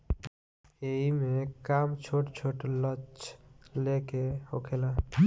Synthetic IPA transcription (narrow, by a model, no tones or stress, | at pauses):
eimekamt͡ʃʰoʈt͡ʃʰoʈlət͡ʃlekehokʰela